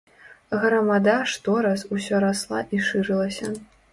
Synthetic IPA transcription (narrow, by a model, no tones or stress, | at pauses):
ɣɾɐmad̪aʂt̪ɔɾasusʲɔɾaslˠa̰ʔiʂɨɾɨlˠɐsʲɐ